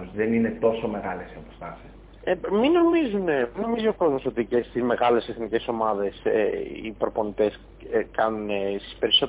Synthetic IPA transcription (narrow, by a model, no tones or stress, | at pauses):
ozðe̞nine̞t̪o̞so̞me̞ɣɐlesiɐpost̪ɐsis | emino̞mizune̞mino̞miziokɾozoso̞t̪icest̪izme̞ɣɐle̞seθnice̞so̞mɐðe̞sḛḭpɾo̞po̞nit̪e̞s | kɐnunesi̥spe̞ɾiso̞